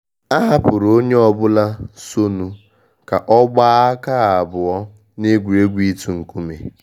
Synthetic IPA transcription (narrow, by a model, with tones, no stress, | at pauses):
a˦ɦa˦pʊ˨ɾo˦ɲe˦ɔ˨bʊ˦la˦so˦nu˦ | ka˨ʔɔ˦ɡ͡ba˦a˦ka˦˨a˨bʊ˨ɔ˦ | ne˦ɡʷu˨e˦ɡʷi˦tu˦ŋ̩˨ku˦mḛ˨